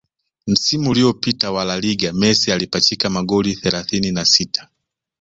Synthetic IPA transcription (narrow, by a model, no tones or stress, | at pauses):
m̩simuːliɔpitawalaliɡamɛsialipatikamaɠɔliθɛlaθininasitʰḁ